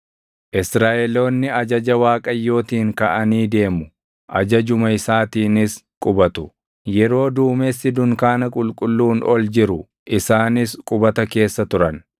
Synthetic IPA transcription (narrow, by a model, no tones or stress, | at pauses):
ʔɪsɾaːʔɛlo̞ːnːɪɐd͡ʒɐd͡ʒɐwaːkʼɐjːo̞ːt̪iːŋkɐʔɐniːd̪e̞ːmʊ | ʔɐd͡ʒɐd͡ʒʊmɐɪsaːt̪iːnɪskʼʊbɐt̪ʊ | jɛɾo̞ːd̪uːmesːɪd̪ʊŋkaːnɐkʼʊlkʼʊlːuːnɔld͡ʒɪɾʊ | ʔɪsaːnɪskʼʊbɐt̪ɐke̞ːsːɐt̪ʊɾɐn